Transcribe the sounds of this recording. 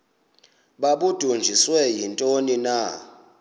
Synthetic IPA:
ɓaɓud̥ʱund͡ʒʱiswɛjintʼonina

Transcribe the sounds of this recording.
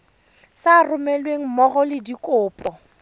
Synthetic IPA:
sarʊmɛlweŋ̩mɔχɔlɪdikʼʊːpʼɔ

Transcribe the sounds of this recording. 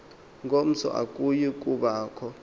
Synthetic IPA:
ŋɡʱom̩t͡sʰɔ̰ʔa̰kʼujik̬ʼuɓaːkʰɔ

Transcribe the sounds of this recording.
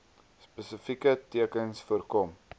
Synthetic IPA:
spəsəfikətiəkənsfuərkɔm

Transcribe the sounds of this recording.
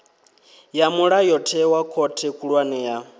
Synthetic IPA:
jamuɺajɔtʰɛwakʰɔtʰɛkʰʼuɺwanɛja

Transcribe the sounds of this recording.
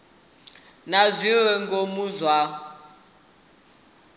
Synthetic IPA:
nazʷiwɛŋɡomuzwa

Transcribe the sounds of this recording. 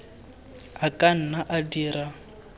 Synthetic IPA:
akʼan̩naʔadiːɾa

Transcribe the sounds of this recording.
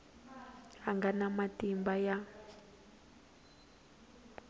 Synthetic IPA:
aŋɡanamatimbaja

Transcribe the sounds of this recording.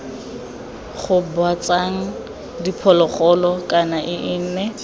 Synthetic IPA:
χʊbwat͡saŋ̩ | dipʰɔlɔχɔlɔkʼanaʔɪʔɪn̩nɛ

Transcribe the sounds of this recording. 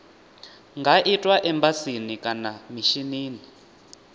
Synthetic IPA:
ŋɡaʔitʼwaʔɛmbasinikʼanamiʃiniːni

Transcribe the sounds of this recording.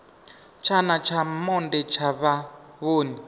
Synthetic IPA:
t͡ʃʰanat͡ʃʰamɔndɛt͡ʃʰaβaβoːni

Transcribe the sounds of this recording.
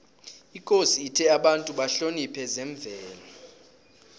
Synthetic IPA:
ikʼosiːtʰɛaɓantʼuɓaɬonipʰɛzɛɱb̪vʱɛːla

